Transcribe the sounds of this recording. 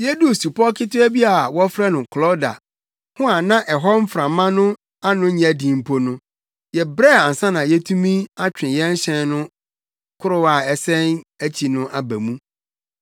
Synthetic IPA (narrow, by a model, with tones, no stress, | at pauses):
jɛ˦du˦˨su˨pʰɔ˦kʰɪ˦tʊ˦æ˦bi˦a˨wɔ˦fɾɛ˦nʊ̃˨kʰlɔ˦da̰˨ | hʊ̃˦a˨nã˦ʔɛ˨ɦɔ˦m̩˦fɾã˨mã˦nʊ̃˦ | a˦nʊ̃˦˨æ˨dĩ˨m̩˦˨pʰo˦nʊ̃˦ | jɛ˨bɾɛ˦˨a˨n̩˨sã˦nã˨jɛ˦tʰũ˦mĩ˦a˦t͡ɕᶣɪ̃˨jɛ˦n̩˦ɕɛ̃˦nʊ̃˦ | kʰʊ˦ɾʊ˦wa˨ɛ˨sɛ̃˦næ˦t͡ɕʰi˨nʊ̃˦ʔa˨bæ˨mũ˦